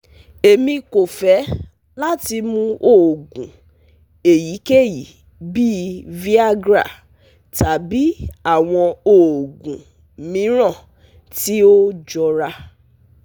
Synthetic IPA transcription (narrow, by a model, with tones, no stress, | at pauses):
e˨mĩ˧ko˨fɛ˨˦ | la˦ti˧mũ˧o˦˨ɡũ˨ | e˨ji˨˦ke˦˨ji˨ | bi˦vi˦a˦ɡɾa̰˦˨ | ta˨˦bi˦a˦˨w̃ɔ̃˧o˨ɡũ˨ | mĩ˨˦ɾ̃ã˦˨ | ti˦o˦d͡ʒɔ˧ɾa˧